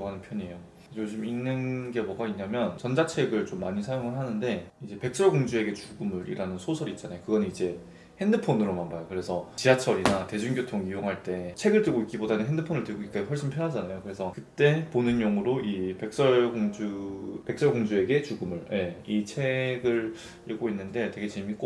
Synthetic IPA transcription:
oɦanɯnpʰjʌɲejo | joɕʰiminːɯnɡeboɡaiɲamjʌnt͡ɕʌnd͡ʑat͡ɕʰe̞ɡɯɭt͡ɕomːaɲisʰajoŋɯɭɦanɯnde̞id͡ʑe̞pe̞k̚s͈ʌɭɡoŋd͡ʑue̞ɡe̞t͡ɕuɡɯmɯɾḭɾanɯnsʰosʰʌɾiːt̚t͡ɕ͈anajokɯɡʌnɯnid͡ʑe̞ | he̞ndɯpʰonɯɾomanbajokɯɾe̞sʰʌt͡ɕiat͡ɕʰʌɾinate̞d͡ʑunɡjotʰoŋijoŋɦaɭt͈e̞t͡ɕʰe̞ɡɯɭtɯɭɡoik͈ibodanɯnɦe̞ndɯpʰonɯɭtɯɡoik͈ahwʌɭɕ͈inpʰjʌnɦad͡ʑanajokɯɾe̞sʰʌkɯt͈e̞ponɯnjʌŋɯɾoʔipe̞k̚s͈ʌɭɡoŋd͡ʑupe̞k̚s͈ʌɭɡoŋd͡ʑue̞ɡe̞t͡ɕuɡɯmɯɭjʔe̞it͡ɕʰe̞ɡɯɭ | iɭɡ͈oinːɯnde̞te̞ɡe̞t͡ɕe̞mik͈o

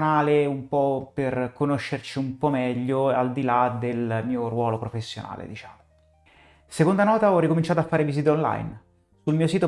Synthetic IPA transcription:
naːleumpɔperkonoʃːert͡ʃiumpɔmɛʎːoald̪ilad̪elmiːorwɔːlopɾofesːjo̰na̰ːlḛd̪it͡ʃa̰ːmo | sekond̪anɔːt̪aɔrːikomint͡ʃaːt̪oafːaːɾevisit̪ɔnla̰jn | sulmiːosiːt̪o

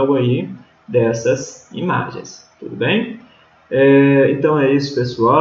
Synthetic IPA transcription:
ɡʊai | d̪ɛsɐsḭma̰ʒḛ̃j̃st̪ud̪ʊbẽj̃ | ɛẽnt̪ɐ̃w̃ɛisʊ̥pesua

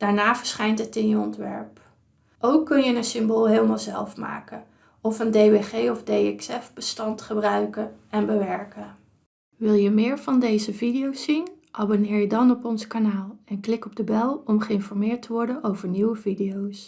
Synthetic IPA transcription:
d̥aːɹnaːv̥əɹsχɛjntətɪnjəɔntʋɛ̰ɹp | ʔowkːɵnjənənsɪmboːlˠɦeːlˠmalˠzɛlˠfma̰ːkə | ɔfəndejʋeχejɔvdejɛksɛfbəstɑntχəbrœɥkənɛnbəʋɛɹkə | ʋɪlˠjəmɪːɹv̥ɑndejzəvidijowsːinʔabonɪːɹjədɑnɔpɔnskanaːlˠɛnklɪkɔb̚dəbɛlˠɔmχəɪnfɔɹmɪːɹtəʋɔɹdənowvəɹniwəvidijows

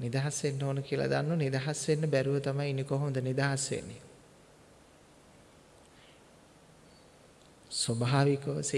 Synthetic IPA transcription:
nid̪aɦasʋenːoːnəkiəla̰d̪anːunid̪aɦasʋenːəbæɾuʋət̪amajinikoɦoməd̪ənid̪aɦasʋḛnːḛ | sobaːʋikəʋs

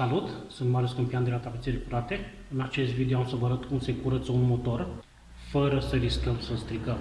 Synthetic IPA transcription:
salut̪sɨnt̪males̬kɨnpijand̪elat̪apet̪selpuɾat̪e̞ | ɨnat͡ʃe̞st̪vid̪eoamsəvəaɾət̪kunse̞kuɾət̪sunmo̞t̪o̞r | fəɾəsəɾiskəmsəst̪ɾikəm

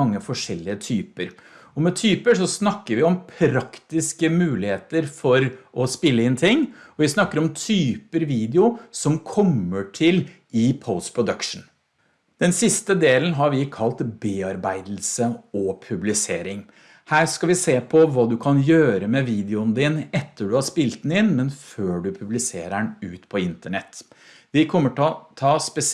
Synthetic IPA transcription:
ɑŋːəfɔʂɛlːɪət̪ʰyːpəɾɔmɛt̪ʰyːpəʂɔsnɑkːəɾʋɪɔmpʰɾɑkt̪ɪskəmʉːlɪheːt̪əɾfɔɾʔɔspɪlːəɪnt̪ʰɪŋːɔʋɪsnɑkːəɾɔmt̪ʰyːpəɾʋiːd̪ɛʊsɔmkʰɔmːəʈʰɪl | ɪpʰɔʊst̪pʰɾʊd̪œkʂn̩ | d̪̥ɛnsɪst̪əd̪eːlənɦɑɾʋɪkʰɑlt̪beːɑɾbæɪd̪l̩səɔpʰʉblɪseːɾɪŋ | hæːɾskɑʋɪseːpʰɔʋɑːd̪ʉkʰɑnjøːɾəmɛʋiːd̪ɪʊnd̪ɪnɛt̪ːəɖʉhɑspɪlt̪n̩ɪnmɛnføːɖʉpʰʉblɪsḛːɾæɳʉːt̪pʰɔɪnt̪əɳɛt̪ː | ʋɪkʰɔmːəʈɔt̪ʰɑːspɛs

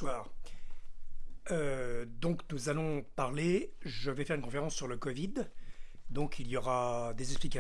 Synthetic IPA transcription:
waːʁ | ød̪ɔ̃knuzalɔ̃paʁleʒəvɛfɛʁynkɔ̃feʁɑ̃sːyʁləkɔvid̪ | d̪ɔ̃kʰiljɔʁad̪ezɛksplika

